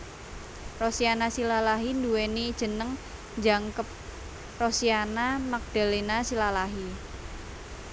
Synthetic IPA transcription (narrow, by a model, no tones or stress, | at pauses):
rosianasilalaɦinduwenid̥ʒ̥ə̤nəŋ | ɲd͡ʒaŋkəp̚ | rosianamak̚d̥a̤linasilalaɦi